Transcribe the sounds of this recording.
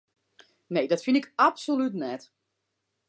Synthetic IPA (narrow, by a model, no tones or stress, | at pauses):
neːdɔtfinɪkapsolytnɛt